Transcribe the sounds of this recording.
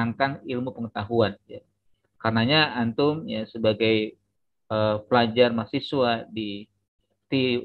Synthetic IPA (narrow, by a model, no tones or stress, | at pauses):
aŋkanilmupəŋət̪aɦuanja | karənaɲaant̪ʊmjasəbaɡaj | əpəlad͡ʒarmasiswadi | t̪i